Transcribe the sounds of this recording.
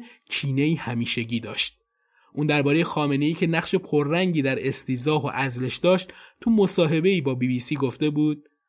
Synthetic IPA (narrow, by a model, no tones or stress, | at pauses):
cʰiːne̞iːhæmiːʃeɟiːd̪ɒ̰ːʃt̪̚ | ʔuːnd̪æɾbɒːɾe̞jexɒːme̞ne̞iːcʰe̞næχʃe̞pʰoɾːæŋɟiːd̪æɾe̞st̪iːzɒːɦo̰ʔæzle̞ʃd̪ɒːʃt̪t̪ʰumo̞sɒːɦe̞be̞iːbɒːbiːbiːsiːɡoft̪e̞buːd̪̥̚